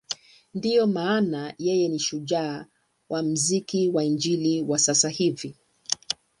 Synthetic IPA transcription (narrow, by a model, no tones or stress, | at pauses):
ndijɔmaːnajɛjɛniʃuʄaː | wʔam̩zikiwaind͡ʒiliwasasahivi